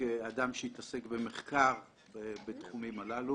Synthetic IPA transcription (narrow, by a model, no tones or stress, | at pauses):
ead̪amʃeit̪ase̞kbe̞meχkaʁ | ebet̪χumimalalu